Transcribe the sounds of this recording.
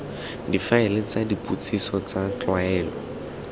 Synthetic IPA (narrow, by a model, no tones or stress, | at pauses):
difaɪlɪt͡sʼadipʼut͡sʰʼisɔt͡sat͡ɬwaɛːlɔ